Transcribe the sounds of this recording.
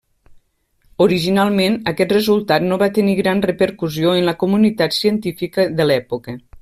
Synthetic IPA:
oɾiʒinalˠmenəkɛt̪rəzulˠt̪at̪noβat̪əniɣɾanrəpəɾkuzioənləkumunit̪at̪siənt̪ifikəðəlɛpukə

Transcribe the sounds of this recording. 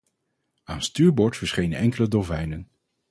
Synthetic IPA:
aːnstyːɹbɔɹtfəɹsχejnənɛŋkələdovɛjnən

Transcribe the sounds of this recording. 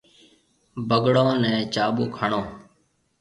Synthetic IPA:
bəɡɽõːnɛ̃ːt͡ʃaːɓuːkʰəɳõː

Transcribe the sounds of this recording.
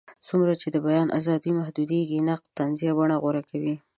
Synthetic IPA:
sumɾat͡ʃed̪əbajɑnʔa̰zɑd̪imahd̪ud̪eɡinaq̚t̪ːanzijabaɳaɣoɾakawi

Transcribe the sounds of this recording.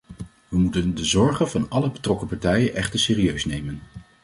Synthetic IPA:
ʋəmutəndəzɔɹχənvɑnɑləbətrɔkəpɑɹtɛjənʔɛχtəɹsɪːriøɥsnejmən

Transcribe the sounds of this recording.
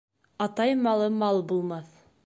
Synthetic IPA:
ɑt̪ɑjmɑlˠɤmɑlˠbulˠmɑθ

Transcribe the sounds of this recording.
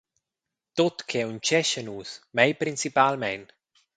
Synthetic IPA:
t̪ot̪kʰɛunt͡ʃɛʃənuːsmɛjpɾinsipalmɛn

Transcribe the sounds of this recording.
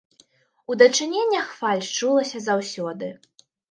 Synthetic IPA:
ud̪ɐt͡ʂɨnʲenʲːɐxfalʲt͡ʂulˠɐsʲɐzawsʲɔd̪ɨ

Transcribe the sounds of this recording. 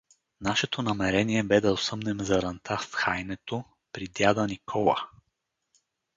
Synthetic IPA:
naʃɛt̪onɐmɛɾɛniɛbɛd̪ɐosɤmnɛmzɐɾɐnt̪ʰafxajnɛt̪o | pɾid̪jad̪ənikʰɔlˠə̰

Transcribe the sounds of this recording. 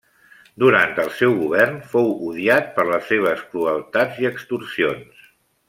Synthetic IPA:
d̪uɾant̪əlˠsɛwɣuβ̞ɛrnfowuðiat̪̚pəɾləsːeβ̞əskɾuəlˠt̪ad͡ziəkst̪ursions

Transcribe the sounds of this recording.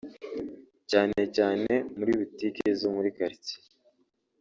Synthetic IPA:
caːne̞caːne̞muɾiβitikezomuɾikaɾici̥

